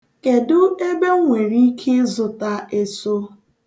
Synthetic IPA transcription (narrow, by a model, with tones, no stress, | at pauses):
ke˨dʊ˦e˦be˦ŋʷe˨ɾi˦kʰe˦zʊ˨ta˦e˨so˦